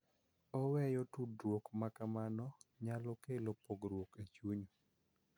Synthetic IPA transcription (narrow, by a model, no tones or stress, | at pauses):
ɔwɛjɔtudɾwokmakamanɔɲalɔkelopoɡɾwoket͡ʃuɲo